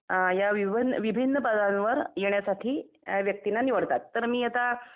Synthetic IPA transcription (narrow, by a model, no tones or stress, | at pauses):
jaʋibʱinʋibʱinːəpəd̪anʋəɾjeɳjasaʈʰiː | ʋjək̚t̪inaniʋəɽt̪at̪ːəɾmiːat̪a